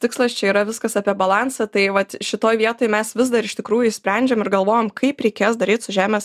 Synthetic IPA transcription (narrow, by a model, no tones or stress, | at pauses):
t̪ʲɪkslˠɐst͡ʃʲɛiːɾɐʋʲɪskɐsɑpʲiɛbɐlˠɑːnsɐt̪ɐɪʋɐt̪ʃʲɪt̪oːjʋʲiɛt̪oːjmʲɛsʋʲɪzd̪ɐɾɪʃt̪ʲɪkɾuːjʊisʲpʲɾʲɛnʲd͡ʒʲɛmɪɾɡɐlˠʋoːjoːmkʰɐɪpɾʲɛɪkʲeːsd̪ɐɾʲiːt̪sʊʒʲæːmʲeːs